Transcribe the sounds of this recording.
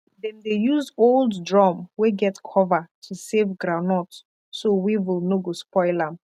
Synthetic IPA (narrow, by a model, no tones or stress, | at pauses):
dɛ̃ndejuzolˠddɹɔmweɡɛtkʰɔvətʰusevɡɹanɔt | sowiwilˠnoɡospɔɪlam